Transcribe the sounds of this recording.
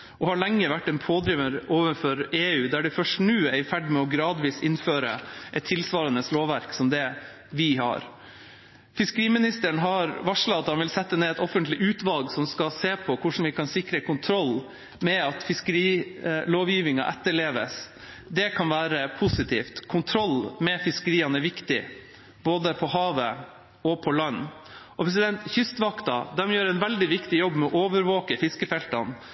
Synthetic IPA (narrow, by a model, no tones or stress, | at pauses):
ʔɔhɑɭɛŋːəʋæʈːɛnpʰoːd̪ɾiːʋəɾoːʋənfɔɾeːʉːd̪æɖɪfœʂʈnʉːæɪfæɖmɛɔɡɾɑːd̪ʋiːsɪnføːɾə̰ʔɛt̪ʰːɪlsʋɑːɾɑnəsloːʋʋæɾksɔmd̪ɛ | ʋɪɦɑ̰ɾ | fɪskəɾiːmɪnɪst̪əɳɦɑɾʋɑʂlɑɑt̪hɑnʋɪlsɛt̪ːəneːɛt̪ɔfənt̪lɪʔʉːt̪ʋɑlɡsɔmskɑseːpʰɔkʰʊʂn̩ʋɪkʰɑnsɪkɾəkʊnt̪ʰɾɔlː | mɛɑt̪fɪskəɾiːloːʋjiːʋɪŋɑ̰ʔɛt̪ːəɭeːʋə̰s | d̪ɛkʰɑnʋæːɾəpʰʊsɪt̪ʰḭːft̪kʰʊnt̪ʰɾɔlːmɛfɪskəɾiːɑnɛʋɪkt̪ɪ | boːd̪əpʰɔɦɑːʋə | ɔpʰɔlɑnː | ʔɔpʰɾɛs̬ɪd̪ɛnt̪çʏst̪ʋɑkt̪ɑd̪ɛmjøːɾɛɪnʋɛld̪ɪʋɪkt̪ɪjɔbːmɛɔʔoːʋəɾʋoːkəfɪskəfɛlt̪ɑn